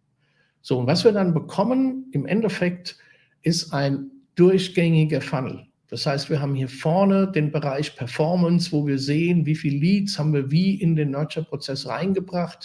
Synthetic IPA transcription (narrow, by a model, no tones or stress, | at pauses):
z̥oːʊntvasv̥iːɐdanbəkʰɔmənɪmʔɛ̰ntɛfɛk̚t | ʔɪstaɪnd̥ʊɐçɡ̥ɛŋɪɡɐfanl̩ | d̥ashaɪstv̥iːɐɦaːbm̩hiːɐfɔɐnədeːnbəʁaɪçpʰɛɐfɔɐmənsv̥oːviːɐzeːənviːfiːlːiːtshaːbm̩viːɐviːʔɪndeːnmœɐt͡ʃɐpʁ̥ot͡sɛsʁa̰ɪnɡəbʁaχt